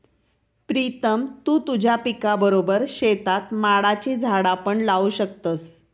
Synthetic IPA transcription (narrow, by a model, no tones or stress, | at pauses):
pɾit̪əmt̪uːt̪ud͡ʑʱjapikabəɾobəɾɕet̪at̪maɽat͡ɕiːd͡zʱaɽapəɳlauɕək̚t̪əs